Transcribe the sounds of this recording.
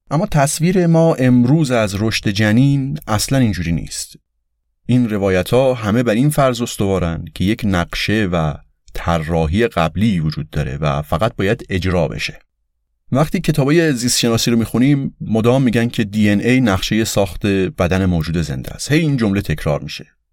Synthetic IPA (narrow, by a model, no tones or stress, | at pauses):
ʔæmːɒːt̪ʰæsviːɾe̞mɒːʔe̞mɾuːzæzɾo̞ʃt̪e̞d͡ʒæniːnʔæslænind͡ʒuːɾiːnḭːst̪ | ʔinɾe̞vɒːjæt̪ʰhɒːɦæme̞bæɾinfæɾzo̞st̪o̞vɒːɾænd̪̥cʰe̞je̞cʰnæɢʃe̞væ | t̪ʰærːɒːɦiːje̞ɣæbliːvod͡ʒuːd̪̚ːɒːɾe̞̰væ̰fæɣæt̪̚bɒːjæd̪e̞d͡ʒɾɒːbḛʃe̞̥ | væχt̪iːcʰe̞t̪ʰɒːbɒːje̞zist̪ʃe̞nɒːsiːɾomiːxuniːmːod̪ɒːmːiːɟæncʲʰe̞d̪iːenejnæɣʃe̞je̞sɒːxt̪e̞b̥æd̪æne̞moːd͡ʒuːd̪e̞ze̞̰nd̪æ̰st̪he̞jiːnd͡ʒo̞mlet̪ʰe̞cʰɾɒ̰ːɾmiːʃe